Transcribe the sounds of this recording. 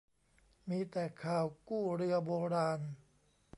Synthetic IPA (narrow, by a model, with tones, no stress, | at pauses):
miː˧t̪ɛː˨˩kʰaː˨˩wkuː˥˩ɾɯ˧ɐboː˧ɾaː˧n